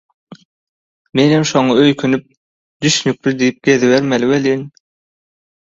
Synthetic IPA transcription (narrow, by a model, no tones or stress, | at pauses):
menhemʃoŋɑøjkʰynyp̚ | d̪̥yʃnyk̚ʲɾyd̪ijip̚ɡ̥ʲeðiβeɾmeliweliŋ